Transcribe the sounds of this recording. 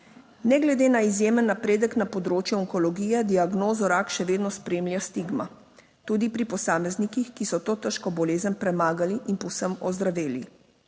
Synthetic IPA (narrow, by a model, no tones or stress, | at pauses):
nɛɡlɛd̪eːnaizjeːmənːapɾeːd̪əknapɔd̪ɾoːt͡ʃjɛɔŋkɔlɔɡiːjɛd̪iaɡnoːzɔɾakʃɛʋeːd̪nɔspɾeːmljast̪iɡma | t̪uːd̪ipɾipɔsaːmɛznikixkisɔt̪oːt̪əʃkɔbɔleːzənpɾɛmaːɡaliʔinpɔwsəmɔzd̪ɾaʋeːli